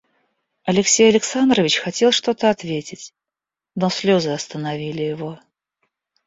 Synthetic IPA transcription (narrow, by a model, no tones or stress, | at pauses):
ɐlʲɪksʲejɐlʲɪksand̪ɾəvʲɪt͡ɕxɐtʲe̞lˠʂt̪o̞t̪əɐt̪vʲetʲɪtʲ | nosʲlʲozɨɐst̪ənɐvʲilʲɪjɪvo̞